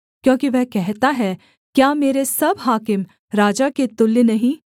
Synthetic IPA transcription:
kjõːkiʋɛɦkɛɦt̪aɦɛ | kjaːmeːɾesɐbɦaːkɪm | ɾaːd͡ʒaket̪ʊlːnɐɦĩː

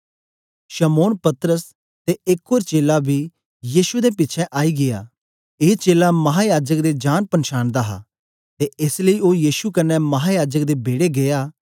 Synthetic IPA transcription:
ʃɐmoːnpɐt̪ɾəs | t̪eɪkoːɾt͡ʃeːlabʱi | jiːʃud̪epɪtːt͡ʃʰɛʔaːiɡɪja̰ː | eːt͡ʃeːlamɐɦajaːd͡ʒəkd̪ed͡ʒaːnpɐnʃaːnd̪aɦa̰ | t̪eɪsləioːjiːʃukɐnːɛmɐɦajaːd͡ʒəkd̪ebeːɽeɡeaː

